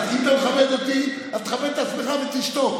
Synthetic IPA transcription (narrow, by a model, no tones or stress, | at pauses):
tit̪ameχabed̪ot̪i | at̪χabed̪t̪at͡smeχabet̪iʃt̪o